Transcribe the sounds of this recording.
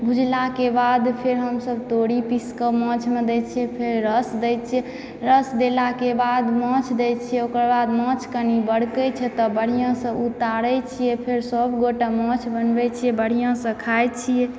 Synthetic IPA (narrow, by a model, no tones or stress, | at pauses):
bʱud͡ʒlakebad̪pʰeɾɦəmsəbt̪oɽipiskəmɔ̃t͡ʃʰmed̪ɛt͡ʃʰijɛpʰeɾɾəsd̪ɛjt͡ʃʰiɛ | ɾəsd̪elakebad̪mɔ̃t͡ʃʰd̪ɛt͡ʃʰijɛokəɾbad̪mɔ̃t͡ʃʰkənibəɽkət͡ʃʰɛt̪ɔbəɽ̤ijãsə̃ut̪aɾɛt͡ʃʰijepʰeɾsəbɡoʈamɔ̃t͡ʃʰbənbɛt͡ʃʰijɛbəɽ̤ijãsə̃kʰajt͡ʃʰije